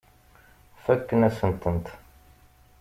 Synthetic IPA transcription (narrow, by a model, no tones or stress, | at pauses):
fækːənæsənt̪ənt̪